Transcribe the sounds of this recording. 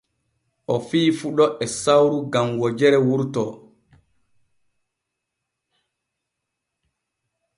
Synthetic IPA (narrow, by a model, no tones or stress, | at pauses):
ʔɔfiːfuɗɔʔɛsawɾuɡamwɔd͡ʒɛɾɛwuɾtɔ